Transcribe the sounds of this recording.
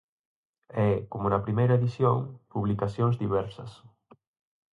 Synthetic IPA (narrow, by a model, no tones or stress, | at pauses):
ɛkomʊnɐpɾimejɾɐeðisjoŋpuβlikasjoŋzðiβɛɾsɐs